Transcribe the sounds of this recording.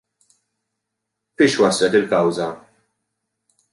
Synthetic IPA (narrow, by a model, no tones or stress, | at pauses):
fɪːʃwɐslɛt̪ɪlkɐwzɐ